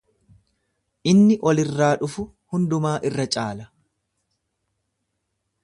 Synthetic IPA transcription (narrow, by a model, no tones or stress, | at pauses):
ʔɪnːɪʔɔlɪrːaːᶑʊfʊ | hʊnd̪ʊmaːʔɪrːɐt͡ʃʼaːlɐ